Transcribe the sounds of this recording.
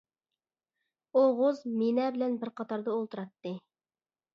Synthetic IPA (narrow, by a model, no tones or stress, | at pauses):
oʁʊzmenɛbɪlɛnbɪɾqɑt̪ʰɑɾd̪ɑolˠt̪ɨɾɑt̪ːɨ